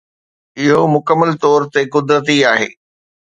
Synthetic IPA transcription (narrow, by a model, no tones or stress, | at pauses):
ɪɦomʊkəmːəlt̪ɔːɾt̪ekʊd̪ɾət̪̬iaːɦḛː